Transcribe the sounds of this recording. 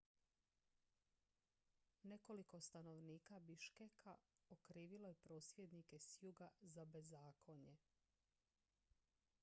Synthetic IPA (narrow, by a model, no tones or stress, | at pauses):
ne̞ko̞liko̞st̪ano̞ʋniːkabiʃkekʰaokɾiːʋilo̞jepɾo̞ːsʋjed̪nike̞sjuɡazabe̞zaːkʰo̞ɲe̞